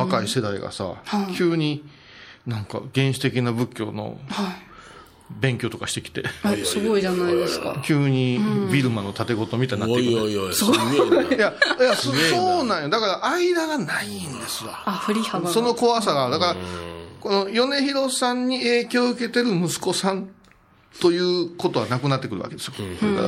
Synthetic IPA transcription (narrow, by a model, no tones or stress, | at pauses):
βakaise̞d̪aḭɡa̰sa̰hakʲʰɯːɲ̟i | nãŋka̰ɡẽ̞ɰ̃ɕi̥t̪e̞kʲinabɯ̟kʲːo̞̰ːno̞̰ha | bẽ̞ŋkʲo̞ːt̪o̞kaɕi̥t̪e̞kʲi̥t̪e̞̰sɨɡoiʑanaid̪eska̰kʲɯːɲ̟ibʲiɾɯ̟mano̞t̪at̪e̞ɡo̞t̪o̞mʲit̪aɲinːaːeɯeoiosojajassoːnãɰ̃jod̪akaɾaʔaid̪aɡanaind̪e̞sɨβa̰afɯɾʲihaso̞no̞ko̞βasaɡad̪akaɾako̞no̞jo̞ne̞çiɾo̞sãɲ̟ːie̞ːkʲo̞ːɯ̟ke̞t̪e̞ɾɯ̟mɯ̟sɨ̥ko̞sãn | t̪o̞jɯ̟ːko̞t̪o̞βanakɯ̟nat̪ːe̞kɯ̟ɾɯ̟βa̰ked̪e̞sɨ̥jodaka̰ɾa̰